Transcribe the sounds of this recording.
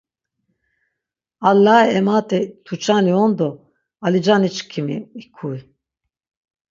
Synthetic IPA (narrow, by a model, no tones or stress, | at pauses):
alːaɛɛmat̪ʼɛt̪ʰut͡ʃʰʼaniɔnd̪ɔ | alid͡ʒanit͡ʃkʰimḭikʰuj